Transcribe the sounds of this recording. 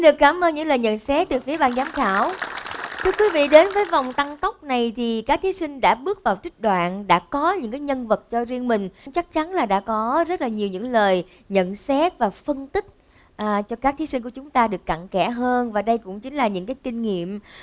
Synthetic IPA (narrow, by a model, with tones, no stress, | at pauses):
nɗɨ˨˩əkːaː˧˩mʔəː˧nɲɨ̰˧˥ŋləː˨˩jɲə̰˧˨nsɛ˦˥t̚t̪ɨ˨˩fi˨˦əɓaː˧nzaː˨˦mxaː˧˩wt̪ʰɨ˧əkwi˨˦vḭ˧˨ɗe˨˦nvəː˨˦jvwŋ͡mt̪a˧ŋt̪ə˦˥wk͡p̚na˨˩jt̪ʰi˨˩kaː˦˥k̚t̪ʰi˨˦sï˧ŋ̟ɗa̰ː˧˥ɓɨ˦˥ək̚vaː˨˩wt͡ɕï˦˥k̚ɗwa̰ː˧˨nɗa̰ː˧˥kɔ˨˦ɲɨ̰˧˥ŋkaː˨˦jɲə˧nvə˨˩t̚t͡ɕɔ˧zi˧əŋmï˨˩ŋ̟ŋ͡mt͡ɕa˦˥k̚t͡ɕa˨˦nlaː˨˩ɗa̰ː˧˥kɔ˨˦zə˦˥t̚laː˨˩ɲi˨˩əwɲɨ̰˧˥ŋləː˨˩j | ɲə̰˧˨nsɛ˦˥t̚vaː˨˩fə˧nt̪ï˦˥k̚ | ʔːt͡ɕɔ˧kaː˦˥k̚t̪ʰi˨˦si˧ŋ̟ku˧˩ət͡ɕʊ˨˦ŋ͡mt̪aː˧ɗɨ˨˩əkːa̰˧˨ŋkɛ˧˩ɦəː˧nvaː˨˩ɗə˧jkʊ̰˧˥ŋ͡mt͡ɕï˨˦ŋ̟laː˨˩ɲɨ̰˧˥ŋkaː˨˦jkï˧ŋ̟ŋḭ˧˨əm